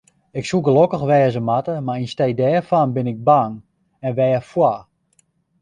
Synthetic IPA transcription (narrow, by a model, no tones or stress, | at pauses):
ɪksuɡəlokəxʋɛːəzəmatəmarinstɛjdɛːfanbɪnɪɡ̚baŋ | ɛnʋɛːəfwa